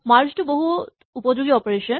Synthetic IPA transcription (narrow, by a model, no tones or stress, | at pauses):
maɾt͡ɕʈuboɦu | upod͡ʑoɡiɔpoɾeʃo